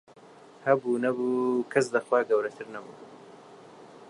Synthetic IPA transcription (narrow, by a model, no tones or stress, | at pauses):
hɐbuːnɐbuːkʰɐsd̪ɐxwaːɡɐwɾɐt̪ʰɨɾnɐbṵː